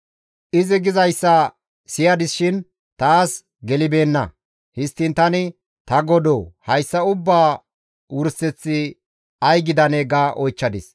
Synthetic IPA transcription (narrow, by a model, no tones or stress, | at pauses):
ʔɪzɪɡɪzɐjsːɐ | sɪjɐd̪ɪsʃɪn | t̪aːs | ɡɛlɪbe̞ːnːɐ̰ | hɪst̪ːɪnt̪ɐnɪ | t̪ɐɡɔd̪oːhɐjsːɐʊbːaː | wʊɾsɛt͡sːɪ | ɐjɡɪd̪ɐneːɡaʔɔjt͡ʃːɐd̪ɪs